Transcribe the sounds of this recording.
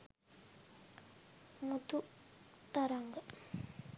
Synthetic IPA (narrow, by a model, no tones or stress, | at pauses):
mət̪ʰuʔt̪aɾaŋɡə